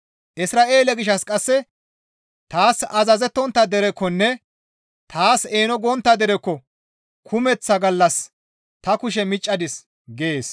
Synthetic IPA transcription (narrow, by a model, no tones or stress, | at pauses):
ʔɪsɾaːʔeːlɛɡɪʃːɐskʼɐsːɛ | t̪aːsɐzɐzɛt̪ːɔnt̪ːɐd̪ɛɾɛkːɔnːɛ | t̪ʰaːseːnɔɡɔnt̪ːɐd̪ɛɾɛkːɔ | kʰʊmɛt͡sːɐɡɐlːɐs | t̪ɐkʊʃ̬ɛmɪt͡ʃʼːɐd̪ɪs | ɡeːs